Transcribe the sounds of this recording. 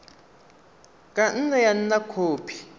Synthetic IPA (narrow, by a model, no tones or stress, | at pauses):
kʼan̩najan̩nakʰoːpʰi̥